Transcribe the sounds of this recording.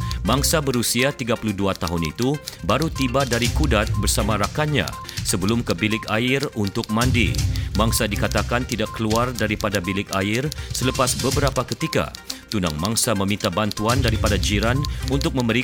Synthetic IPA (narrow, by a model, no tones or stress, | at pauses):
maŋsabəɾusiat̪iɡapuluhduat̪aɦʊnḭt̪ubaɾut̪ibadaɾikudat̪̚bərsamaɾakaɲa̰səbəlʊmkəbilɪkaɪrunt̪ʊk̚mandḭmaŋsadikat̪akant̪idakːəluardaɾipadabilɪkaɪrsələpasbəbəɾapakət̪ika̰t̪una̰ŋmaŋsamə̃mĩnt̪abant̪uandaɾipadad͡ʒiɾanunt̪ʊk̚mə̃məɾi